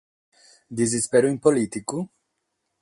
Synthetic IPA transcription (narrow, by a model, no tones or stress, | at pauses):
d̪izispeɾuimpolit̪iku